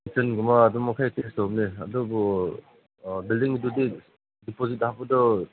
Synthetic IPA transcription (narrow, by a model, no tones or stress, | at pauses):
sʰɯnɡumaːdɔmɔkʰajtʰekstɔb̚neadɔbɔ | bildiŋidudi | dipozit̚habɯdɔ